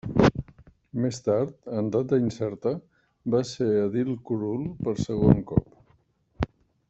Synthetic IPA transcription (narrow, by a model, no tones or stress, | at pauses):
mest̪aɾt̪ənd̪at̪̚d̪əinsɛɾt̪ə | baseəðilˠkuɾulˠpəɾsəɣ̞oŋkɔ̰p